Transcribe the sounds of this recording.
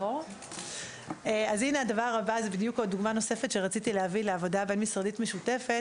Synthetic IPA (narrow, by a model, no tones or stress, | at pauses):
o | eazineadavaʁabazebid̪jukoduɡmano̞se̞fetʃeʁat͡sitileavileavo̞dabe̞nmisʁaditmeʃute̞fe